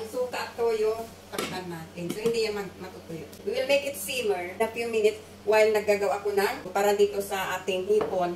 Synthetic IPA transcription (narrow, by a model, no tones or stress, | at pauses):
ʔɐŋsuːk̪aʔt̪ojo | k̪ɐmt̪anːaːt̪ɪnsohɪnd̪ijɐŋmanmɐt̪ut̪ʊjowwɪlmekɪt̪siːmɛɹɐfjumɪnɪt̪s | wajlnɐɡ̚aɡɐwaʔɐkonanpaːɾɐd̪iːt̪o̞sɐʔaːt̪ɪŋhiːpon